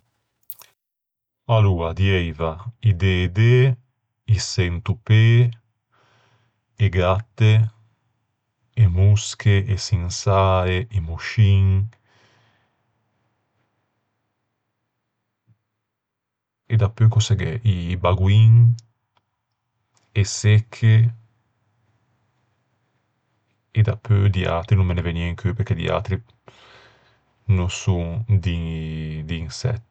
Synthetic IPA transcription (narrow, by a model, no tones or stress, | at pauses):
aluad̪jɛjvaid̪ed̪e | isent̪upe | eɡɾat̪ːe | emuskʰeʔesiŋsaeemuʃiŋ | ed̪apːøkosɛɡɛʔibaɡwiŋ | esekʰːe | ed̪apʰːød̪ia̰t̪ɾinũmmeneveniɛŋkʰøpeɾked̪ḭa̰t̪ɾi | nosuŋd̪id̪iːnsɛ̰t̪ː